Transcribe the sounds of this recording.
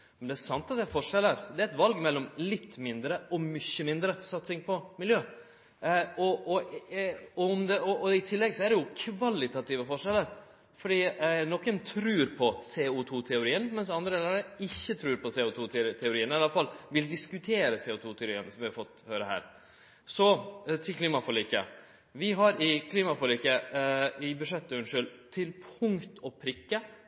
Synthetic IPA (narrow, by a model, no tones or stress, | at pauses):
mɛnd̪ɛæʂɑnt̪ɑt̪d̪ɛæɾfɔʂɛlːəɾd̪ɛɾɛt̪ʋɑlɡmɛlːɔmlɪt̪ːmɪnd̪ɾəɔmʏçːəmɪnd̪ɾəsɑt̪sɪŋpʰɔmɪljøː | ɔʔɔ | ɔɔmd̪ɛɔʔɔɪt̪ʰɪlːɛɡsɔæɾɖɛjʊkʰʋɑlɪt̪ɑt̪iːʋəfɔʂɛlːəɾ | fɔɖiːnɔkːənt̪ʰɾʉːɾpʰɔseːut̪ʰut̪ʰɛʊɾiːənmɛnsɑnd̪ɾəɛlɑɛɪçːət̪ʰɾʉːɾpɔsɛːʊt̪ʰuːt̪ʰɛʊɾiːənɑlɑfɑlːʋɪld̪ɪskʉt̪ʰeːɾəsɛʊt̪ʰuːt̪ʰɛʊɾḭːənsɔmʋɪɑɾfɔt̪ːhøːɾəhæ̰ːɾ | sɔt̪ʰɪlkʰliːmɑfɔliːkə̰ | ʋɪɦɑɾɪkʰliːmɑfɔliːkə | ɪbʉʂɛt̪ːəʉnʂʏlt̪ʰɪlpʰʊŋt̪ʰɔpʰɾɪkːə